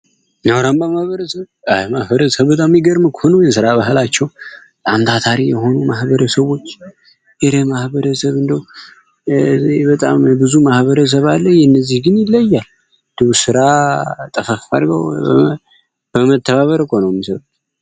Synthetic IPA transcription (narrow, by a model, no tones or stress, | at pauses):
nawɾambəmahβəɾəsəβamahβəɾəsəβbət̪ʼamjiɡəɾmɨkʰhonəwjɛsɨɾaβaɦlat͡ʃːɛwbət̪ʼamt̪ʰat̪ʰaɾijɛho̞numahbəɾəsəβo̞t͡ʃː | jɛɾəmahbəɾəsəβɨnd̪əw | bət̪ʼa̰mbɨzumahβəɾəs̬əβalːəhjɛnːəzːihɡɨnjɪlːəjːal | d̪̥ɨβusɨɾat̪ʼəfəffa̰ɾɡə̰w | b̥əmət̪ʰːəβaβəɾəkʰonowmisəβ